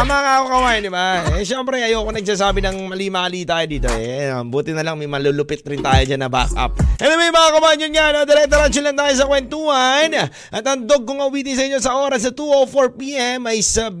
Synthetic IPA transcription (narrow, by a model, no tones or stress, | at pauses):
mɐaŋakokɐwaːjɐnd̪ɪbaɛʃɛmpɾɛjɐjoɐkonɐɡ̚saːsaːbɪnɐŋmɐliːmaɐliːt̪aːjod̪iːt̪o̞ɛ̰buːt̪ɪnɐlɐŋmɐjmɐlulʊpɪt̪̚ɾɪnt̪aːjod͡ʒanɐba̰kʔa̰p̚ʔɛnomɐjmɐŋakomand͡ʒɐnɲanod̪ɐɾɛt̪ɐɾat͡ʃʊlɐŋt̪aːjos̬ɐkwɛnt̪uɐn | ʔɐt̪ɐŋd̪oɡ̚koŋɐʊwiːt̪ɪns̬ɐʔɪɲːosɐʔo̞ːɾɐsːɐt̪uʔofoɹpiːʔɛmɐjsɐ